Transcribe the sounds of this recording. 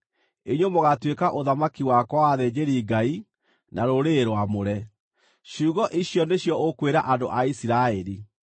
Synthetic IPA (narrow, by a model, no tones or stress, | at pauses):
eɲomoɣatwekaʔoðamakiwakɔwaðɛd͡ʑeɾiːɡai | nʔaɾoɾeɾwamoɾɛ | ɕuːɣɔʔiɕjɔneɕjɔʔokweɾaʔando̰ʔaisiɾaɛɾi